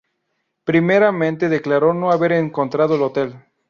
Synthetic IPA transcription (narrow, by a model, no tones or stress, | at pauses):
pɾimeɾamẽnt̪e̞ðe̞klaɾo̞no̞aβe̞ɾeŋko̞nt̪ɾað̞oelo̞t̪e̞l